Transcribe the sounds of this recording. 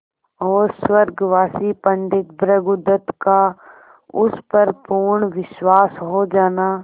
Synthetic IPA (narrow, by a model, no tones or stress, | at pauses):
ɔːɾswəɾɡʋaːsipə̃nd̪ɪt̪bɾəɡʊd̪ət̪ka | ʊspəɾpuɾɳʋɪʃwaːsɦod͡ʒaːnaː